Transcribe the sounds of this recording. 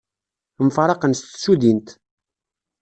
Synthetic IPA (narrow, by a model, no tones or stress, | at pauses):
mfɾˤɑqənst̪suðint̪